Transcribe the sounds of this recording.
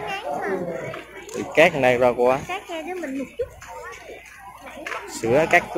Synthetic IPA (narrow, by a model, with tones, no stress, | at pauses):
t̪ʰḭ˨˩kaː˦˥k̚na˧jzaː˧kwaː˧kaː˦˥k̚na˧zɨ˨˦mï˨˩ŋ̟mʊ˨˩k͡p̚t͡ɕʊ˦˥k͡p̚ː | sɨ̰˧˦əkaː˦˥k̚k